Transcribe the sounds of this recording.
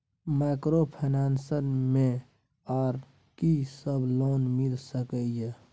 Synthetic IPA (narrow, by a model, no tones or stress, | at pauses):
maɪkɾopʰənaːnsənmẽ | aːɾ | kisəbloːnmɪlsəkəje